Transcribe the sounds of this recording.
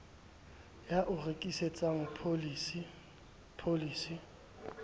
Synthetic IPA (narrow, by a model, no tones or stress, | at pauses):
jaʔʊrekʼiset͡sʼaŋ̩pʰolisi | pʰoliːsi